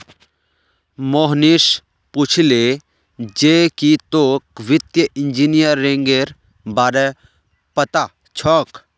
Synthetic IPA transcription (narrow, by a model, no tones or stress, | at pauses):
moːɦniʃ | put͡ʃʰile | d͡ʒeːkit̪oːkʋɪt̪jəʔɪnd͡ʒinijəɾːẽːŋɡeɾ | baːɾɛ | pət̪a | t͡ʃʰɔːk